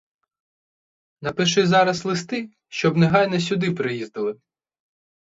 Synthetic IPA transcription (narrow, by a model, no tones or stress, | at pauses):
nɐpɪʃɪzɑɾɐslˠɪst̪ɪ | ʃt͡ʃɔbnɪɦɑjnɛs̬ʲʊd̪ɪpɾɪjizd̪ɪlˠɪ